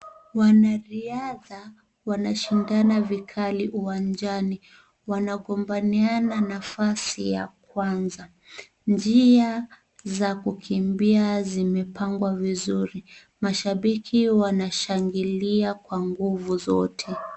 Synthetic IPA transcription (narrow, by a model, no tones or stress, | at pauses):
wanaɾiaða | wanaʃindanavikʰaliʔuwand͡ʒani | wanaɠɔmbaniananafasija̰kwanza | nd͡ʒia | zakukʰimbiazimɛpaŋɡwavizuɾi | maʃaɓikʰiwanaʃaŋɡiliakwaŋɡuvuzɔtʰɛ